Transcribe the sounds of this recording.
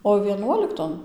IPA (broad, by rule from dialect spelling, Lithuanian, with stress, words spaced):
oː ʋʲiɛˈnuɔlʲɪktoːn